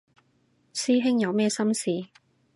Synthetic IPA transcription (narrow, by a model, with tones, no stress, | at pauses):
siː˥ɦɪ˥ŋjɐ˨˧wmɛː˥sɐ˥msiː˨